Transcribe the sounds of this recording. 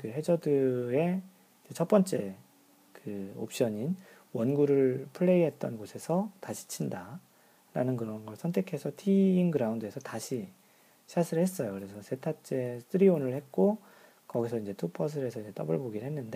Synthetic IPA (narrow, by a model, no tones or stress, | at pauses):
kɯɦe̞d͡ʑʌdɯe̞ | id͡ʑe̞t͡ɕʰʌp͈̚ʌnt͡ɕ͈e̞ | kɯo̰p̚ɕ͈ʌɲin | wʌnɡuɾɯɭpʰɯɭːe̞iɦe̞t̚t͈ʌnɡosʰe̞sʰʌtaɕʰi̥t͡ɕʰinda | ɾa̰nɯnkɯɾʌnɡʌɭsʰʌntʰe̞kʰe̞sʰʌtʰiːŋɡɯɾaundɯe̞sʰʌtaɕʰi | ɕʰasʰiɾɭhe̞s͈ʌjokɯɾe̞sʰʌsʰe̞tʰat͡ɕ͈e̞stʰɯɾionɯɭhe̞t̚k͈o | kʌɡisʰʌind͡ʑe̞tʰopʰʌs̬ʰɯɾe̞sʰʌiɲd͡ʑe̞t͈ʌbɯɭboɡiɭhe̞nːɯnde̞